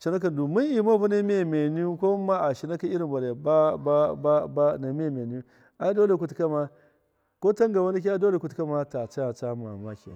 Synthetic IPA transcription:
t͡ʃi˨na˦k̬a˨n˨du˨mi˦ni˨ma˦bu˦na˦mi˦e˨me˨ni˦ko˦ma˦a˨ʃi˨na˦ka˦i˦ɾi˨ba˨ɾe˨ba˦ba˦ba˦ba˦na˨mi˦a˨me˨ni˦u˦ | a˨˦do˦le˨ku˦tka˦ma˦ | ko˦ta˦ŋɡa˨wa˦ni˦k̬ʲi˦a˦do˦le˨ku˦tka˦ma˦ta˨t͡ʃa˦˨t͡ʃa˦ma̰˨ma˦kḛ˨

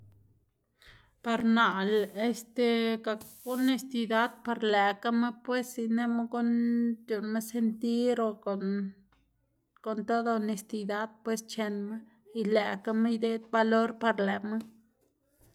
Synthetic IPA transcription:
pa˧ɾna˨le˧st̪e˧ɡa˨kɡu˦ne˧st̪i˧d̪a˦d̪̚pa˧ɾle˨ka˦me˦pwe˦si˧ne˦me˦ɡu˦nt̪ju˨nme˦se˧nt̪i˦ɾo˧ | ko˨nt̪o˦d̪o˧ne˧st̪i˧d̪a˦d̪̥̚pwe˦st͡ʃe˧nme˦ | i˧le˨ka˦me˦jd̪e˦d̪̚ba˧lo˦ɾpa˧ɾle˨me˦

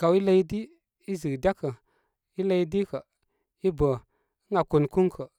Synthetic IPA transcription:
ka˨wi˦la˦i˦di˦ | i˦zɨ˨ɡda˦kə˨ | i˦la˦i˦di˦kə˨ | i˦bə˨ | i˦ŋa˨ku˨nku˦ŋkʰə˨

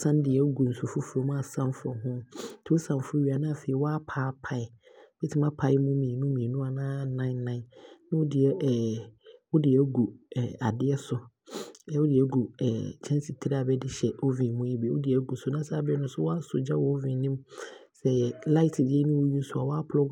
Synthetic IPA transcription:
sã˦n˦dɪ˨ɛ˦ɡu˨n̩˨sʊ˨fʊ˦fʊ˨ɾo˨˦m˦a˨sã˦mfʊ˨ɔ˨ɦʊ̃˦tʰɪ˨˦ʊ˦sã˨mfʊ˨˦o˦ɥi˨a˨nã˦a˨fe˨i˨˦wɔ˦a˦pʰaː˨˦pʰa˨ɪ˨ | bɪ˦tʰɪ˦mã˦pʰa˨˦ɪ˦mũ˦mĩ˨e˨nũ˦mĩ˨nũ˦a˨nãː˦nã˦ɪ̃˦nːã˦ɪ̃˨nːã˦ʊ˦dɪ˨ɛ˦ʔʊ˦dɪ˨ɛ˦ɡu˨a˨dɪ˦ɛ˦sʊ˨˦ | ɛ˨wʊ˦dɪ˨ɛ˨˦ɡu˨ɛ̰˨t͡ɕʰɛ̃˦nsi˨tʰi˦ɾa˨bɛ˦dɪ˦ɕɛ˨o˦vĩ˨mũ˦i˦bɛ˨wʊ̰˦dɪ˨ɛ˨˦ɡu˨sʊ˦nã˦saː˦bɛ˦nʊ̃˦sʊ˦wɔ˦a˦sʊ˨d͡ʑa˦wɔ˦vĩ˨˦nĩ˦msɛ˦la˦ɪ˦tʰdɪ˦ɛ˦nʊ̃˦wo˦ju˦sʊ˦a˨wɔ˦a˦pʰʊ˨ɔ˦

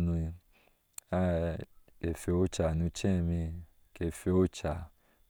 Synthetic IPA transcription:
nũ˧i˧ | a˦ | e˨fe˨˦o˦t͡ʃa˨nũ˧˦t͡ʃɛ̃˦˨mĩ˧ | ke˨fe˨˧o˦t͡ʃa˨

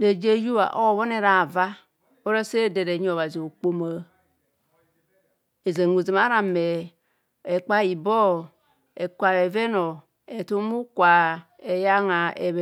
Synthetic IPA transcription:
de˨d͡ʒe˦ju˦βa̰˨ʔo˦˨βo˦ne˦ɾa˨va˦ | o˦ɾa˦se˦˨de˨ɾe˨˦ɲ˦o˨βa˨zi˨o˨k͡po˨ma˨ | e˨za˨ŋu˨zi˨ma˦ɾa˨me˨ | e˨k͡pa˦i˨bo˦ | e˨kʷa˨e˨ve˦no˨ | e˨tu˦mu˦kʷa˨ | e˨ja˦ŋa˨e˨β

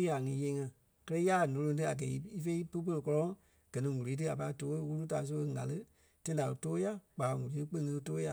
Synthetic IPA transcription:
i˦a˨ŋĩː˨˦je˧˦ŋã˧ | kɜ˦lɜ˦ja˦˨nõ˧lõ˧˦t̬ɨ˦a˨ɡɛ˨i˦i˦fe˧˦pə˦pə˧lə˧kɔ˧lɔ̃˧˦ | ɡ̥ɜ˨nĩ˧ŋu˨liː˨˦t̬ɨ˦a˨pa˧i˦toː˦wu˦u˦taː˨˦s̬o˧˦e˧ŋa˨lɨ˦ | tã˦ĩ˦da˨toː˦ja˦k͡paː˨ŋu˨liː˨˦tɨ˦k͡pẽ˦˧˦ŋɨ̃˧toː˦ja˧˨

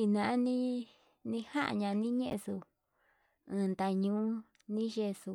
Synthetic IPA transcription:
i˧nã˧˨ʔa˦nĩ˦ | nĩ˧ha˦ʔa̰˧˨ɲã˧nĩ˦ɲẽ˦ʔḛ˧su˧ | ɨ̃ː˧nd̪a˧ɲũ˧˦ | nĩ˦ʒe˧˨su˧

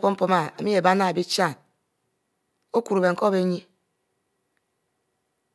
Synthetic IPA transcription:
po˦m̩˦po˦ma˨a˨mi˦e˨ba˦na˦˨bi˦t͡ʃa˦˨n | o˦ku˨ɾo˨be˨ŋ̩˨ko˦be˦ɲi˦

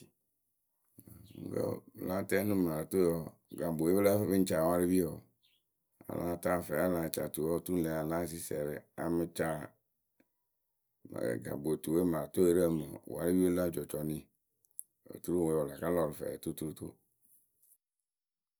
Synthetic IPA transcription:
kə̰˦˨la˦tɛ˦nũ˦ma˨ɾto˦ɔ˨ | ɡa˨bo˨e˦bla˦fɛ˦be˦n̩˦t͡ʃa˨wa˦ɾi˦vi˦ɔ˨ | a̰˨la̰˦ta˦˨fɛ˨a˦la˨t͡ʃa˨tu˨ɔ˦tu˦n˦lɛ˨a˨la˦s̬i˦sɛ˨ɾɪ˨a̰˨me˦t͡ʃa˦ | m̰˨ɡa̰˨bo˨tu˨we˦ma˨to˦e˦ɾə˦˨me˨wa̰˨˦ɾi˦bi˦o˦la˦˨d͡ʒɔ˨t͡ʃɔ˨nĩ˦ | o̰˨tu˦ɾu˦wo˨˦ɔ˨la˨ka˦lɔ˨ɾɪ˨fɛ̰˨to˦tu˦ɾu˦to̰˦

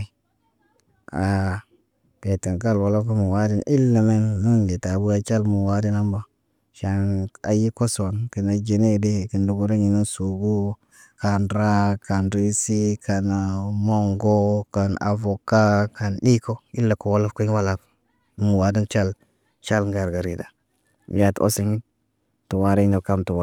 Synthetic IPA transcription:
a˨ | ke˨ti˨nk̬a˦˨lwa˨la˦fku˦mu˨wa˦di˦ni˦lːa˨me˦nːu˦nle˨ta˨bu˦a˦t͡ʃa˦lmu˨wa˦di˦na˦mba˦ | ʃa˨na˨ji˦ko˦so˨nki˨na˨d͡ʒe˨ne˦˨de˦ki˨ndu˨ɡu˦ɾa˦ɲi˨nu˦su˨ɡu˦ | ka˨nɾa˦ka˨nɾi˦si˦kʰa˨nmo˦ŋɡo˦ka˨na̰˨vo˨ka˦ka˨nɗi˦ko˦i˦lːa˨ko˨wa˦la˦fku˦wa˦la˨k | mu˨wa˨di˦nt͡ʃa˦l | t͡ʃa˦lŋɡa˨ɾɡa˨ɾi˨da˨˦ | ja˨to̰˦si˨ŋi˦n | tu˨wa˨˦ɾe˦no˨ka˦mtu˨wa˦

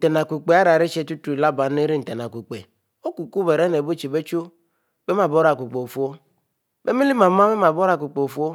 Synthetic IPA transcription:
te˨na˨kʷu˨k͡pe˨a˦ɾa˨ɾi˦t͡ʃe˦tu˦tu˨˦i˨la˦ba˨˦ne˦ɾi˦n̩˨te˨na˨ku˨k͡pḛ˨ | o˦ku˨ku˦be˨ɾe˦ne˨bo˦t͡ʃe˨be˦t͡ʃo˦ | be˦m˦a˨bo˦ɾa˨ku˨k͡pe˨o˨fu˦o˦ | be˦mi˦li˦ma˨ma˦be˦ma˨bo˦ɾa˨ku˨k͡pe˨o˨fu˦o˦

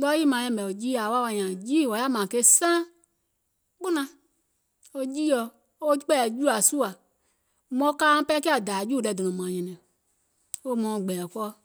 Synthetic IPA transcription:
lɔ˦ji˦mã˨˧˦ɛ̃˧˦˨bɛ˨o˨d͡ʒiː˦a˨˦wa˦wa˧ɲã˨d͡ʒiː˦˨wɔ˨ja˦˨mã˨ke˧˦sãː˦ | k͡po˦nã˧ | o˧d͡ʒiː˦ɔ˧˨ | o˦k͡pɛ˦˨d͡ʒu˦a˨su˦a˨ | mɔ̃˧˦kãː˦pɛ˦kɛ˦a˨daː˨˦d͡ʒu˦˨dɛ˧˨do˨ɔ̃˨mã˨ɲɛ̃˨nɛ̃˨ | o˧mɔ̃˨˧˨ɡ͡bɛː˨kɔ˦˧

